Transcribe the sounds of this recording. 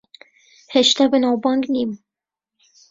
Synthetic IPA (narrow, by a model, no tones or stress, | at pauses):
hɛʃt̪æbɨnɑwbɑŋɡnim